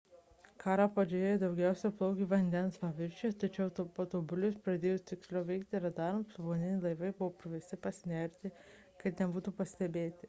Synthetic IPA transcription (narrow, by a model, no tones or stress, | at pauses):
kɑːɾɑpɐd͡ʒʲeeːjɛd̪ɐʊɡʲɛˑʊsʲɛplˠɐʊkʲiʋɐnʲd̪ʲɛnspɐʋʲɪɾʲt͡ʃʲet̪ɐt͡ʃʲɛʊt̪ɐt̪oːbʊlʲʊspɾɐd̪ʲeːjot̪ʲɪksʲlʲoʊʋʲɛɪkt̪ʲɪɾʲɛd̪ɑɾmʊsɐboːnʲɪnʲɪlˠɐɪʋɐɪbʊʋoːpʲɾʲɪʋʲɛst̪ʲɪpɐsʲnʲɛɾʲt̪ʲɪ | kɐt̪nʲɛbuːt̪uːpɐsʲt̪ʲɛbʲeːt̪ʲɪ